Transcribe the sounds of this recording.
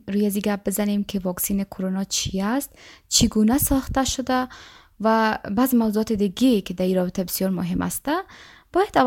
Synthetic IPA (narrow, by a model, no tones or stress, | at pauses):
ɾujaziɡap̚bɪzanemkʰivɔksinikʰoɾonɔt͡ʃʰiast̪t͡ʃʰiɡunasɔχt̪aʃʊd̪a | vabazmawzuɔt̪id̪iɡekʰid̪aiɾɔbit̪ʰabɪsjɔɾmʊɦima̰st̪a | b̥ɔjad̪av